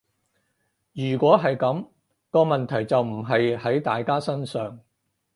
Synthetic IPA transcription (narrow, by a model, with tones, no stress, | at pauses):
jyː˨˩kʷɔː˨˥ɦɐ˨jkɐ˨˥m | kɔː˧mɐ˨nt̪ʰɐ˨˩jt͡sɐ˨wm̩˨˩ɦɐ˨jhɐ˨˥jt̪aː˨jkaː˥sɐ˥nsœː˨ŋ